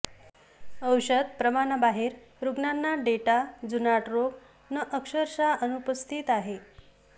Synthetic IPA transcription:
əwɕəd̪̚pɾəmaɳabaɦeɾ | ɾuɡnanːaɖeʈad͡zunaʈɾoɡ | nəʔəkʂəɾɕaʔənupəst̪ʰit̪aɦe

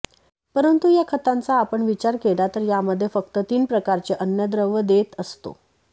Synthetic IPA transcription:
pəɾənt̪ujakʰət̪ãnt͡saːpəɳʋit͡ɕaɾkelat̪əɾjaməd̪ʱːjefək̚t̪ət̪iːnpɾəkaɾt͡ɕeʔənjəd̪ɾəʋəd̪et̪əst̪o̰

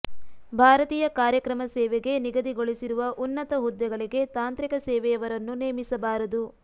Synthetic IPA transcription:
bʱaːɾɐt̪iːjɐkaːɾjɐkɾɐmɐsɛːʋɛɡe̞niɡɐd̪iɡo̞ɭisiɾuʋɐʔunːɐt̪ɐɦud̪ːɛɡɐɭiɡe̞t̪aːnt̪ɾikɐsɛːʋɛjɐʋɐɾɐnːuneːmisɐbaːɾɐd̪u

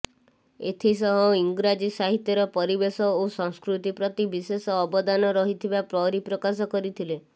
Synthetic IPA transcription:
et̪ʰisɔɦɔiŋɡɾad͡ʒisaɦit̪jɔɾɔpɔɾibesɔosɔŋskɾut̪ipɾɔt̪ibisesɔːbɔd̪anɔɾɔɦit̪ʰibapɾɔɾipɾɔkas̬ɔkɔɾit̪ʰile

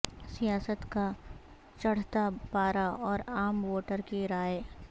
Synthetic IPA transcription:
sijaːsət̪ka | t͡ʃɐɽ̤t̪apaːɾaɔːɾaːmwoːʈəɾkeɾaːje

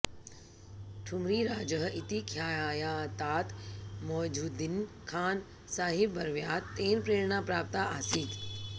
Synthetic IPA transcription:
ʈʰʊmɾiɾaːd͡ʑəɦɪt̪ikʰjaːjat̪aːt̪mɔːd͡ʑuːd̪ɪn | kʰaːn | saːɦɪbbɐɾʋijaːt̪ːeːnpɾeːɽnapɾaːp̚t̪aaːsiːt̪

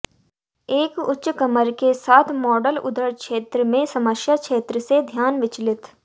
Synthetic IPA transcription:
eːkʊtːʃkəməɾkesaːt̪ʰmɔːɖəlʊ̰d̪əɾkʃeːt̪ɾəmẽsɐməsjakʃeːt̪ɾəsed̪ʱjaːnʋɪt͡ʃlɪt̪

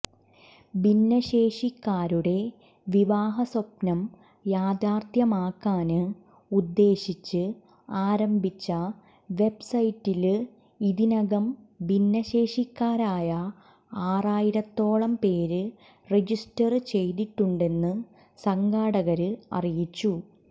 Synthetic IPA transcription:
binːɐɕe̞ːʂikːaːɾuɽe̞ | ʋiʋaːɦɐsopnɐm | jaːd̪aːrt̪ʰjɐmaːkːaːnɨ | ud̪ːe̞ːɕit͡ɕːɨ | aːɾɐmbʱit͡ɕːɐ | ʋe̞bsɐjtːil | iðinɐɣɐm | binːɐɕe̞ːʂikːaːɾaːjɐ | aːraːjiɾɐt̪ːo̞ːɭɐmpe̞ːɾɨ | red͡ʑistɐrt͡ɕe̞jðiʈːuɳɖe̞nːɨ | sɐŋɡaːɽɐɣɐɾɨɐ̰rijit͡ɕːu

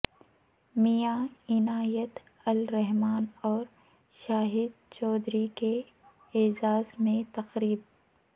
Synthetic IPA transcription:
mijaːɪnaːjət̪ | ɐlɾɛɦmaːnɔːɾ | ʃaːɦɪd̪̚t͡ʃɔːd̪ɾikeː | zaːzmẽt̪ɐqɾiːb̚

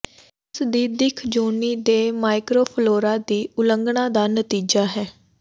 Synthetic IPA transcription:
ɪsd̪iːd̪ɪkʰd͡ʒoːniːd̪eːmaːɪkɾoːpʰloːɾaːd̪iːʊləŋɡɳãːd̪aːnət̪iːd͡ʒaːɦɛː

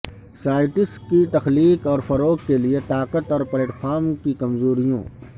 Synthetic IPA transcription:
saːɪʈɪskit̪ɐxliːkɔːɾfɐɾoːkkeliet̪aːqət̪ɔːɾpleːʈfʰaːɾmkikɐmzoːɾijõ̰ː

